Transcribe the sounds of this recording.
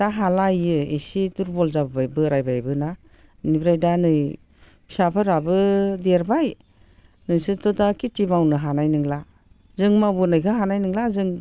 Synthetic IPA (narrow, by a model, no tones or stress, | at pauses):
daɦalajɯḭsiduɾbɔlzabbajbɯɾajbajbɯna | nibɾajdanɯj | pʰi̥sapʰɯɾabɯdeɾbaj | nɯjsɯtɔdakitimawnɯɦanajnɯŋla | zɯŋmabunɯjkʰɯɦanajnɯŋlazɯŋ